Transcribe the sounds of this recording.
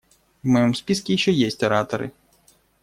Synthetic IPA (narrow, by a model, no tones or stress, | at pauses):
wmɔjɔmspʲiskʲiʃt͡ʃɔjɛsʲtʲɐɾat̪ɔɾɪ̰